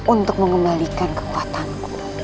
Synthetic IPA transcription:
unt̪ʊk̚məŋəmbalikankə̥kuat̪anku̥

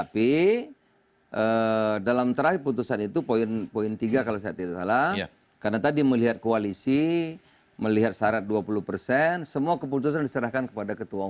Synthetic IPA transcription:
t̪api | ʔədalamt̪əɾahiput̪usanit̪upoɪnpoint̪iɡakalasajat̪idasala | karnat̪adiməliɦat̪̚koalisi | məliɦat̪̚saɾat̪̚duapuluhpərsɛnsəmuakəp̬ut̪us̬andisəɾahkankəpadakət̪ua

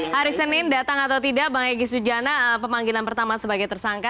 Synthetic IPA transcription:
haɾisənɪndat̪aŋat̪awt̪idaʔbaŋaɡisud͡ʒanaəpəmaŋɡilanpərt̪amasəbaɡajt̪ərsaŋka

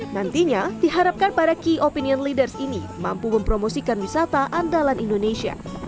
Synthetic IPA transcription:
nant̪iɲad̥iɦaɾap̚kanpadakiʔopiniɔnlidərsini | mampuməmpɾomosikanwisat̪aʔandalanindonesia̰

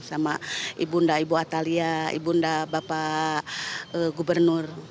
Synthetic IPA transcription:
samaʔibundaibuat̪aliaḭbundabapa | əɡubərnur

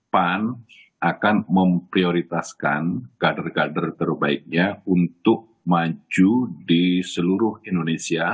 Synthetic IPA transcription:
pan | ʔakanməmpɾioɾit̪askanɡ̥adərɡadərt̪ərbaɪk̚ɲaunt̪ʊk̚ | mad͡ʒudisəluɾʊhindonesia

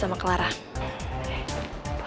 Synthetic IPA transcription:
amakəlaɾa

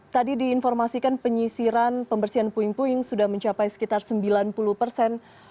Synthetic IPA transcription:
t̪adidiːnfɔrmasikanpəɲisiɾanpəmbərsianpuɪŋpuɪŋsudahməɲt͡ʃapajsə̥kit̪arsəmbilanpuluhpərsɛn

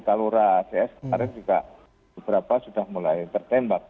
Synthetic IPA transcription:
kaluɾaseɛskəaɾɪŋd͡ʒuka | bəbəɾapasudahmulajt̪ərt̪ɛmbak̚

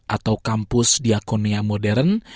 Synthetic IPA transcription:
ʔat̪awkampʊsdiakoniamodɛɾən

